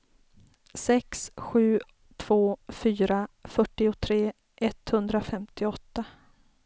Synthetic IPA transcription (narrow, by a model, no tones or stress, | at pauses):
sɛksɧʉ̟ː | t̪ʰv̥oːfyːɾafœʈːɪʊt̪ʰɾeː | ʔɛt̪hɵnd̪ɾafɛmt̪ɪɔt̪ːa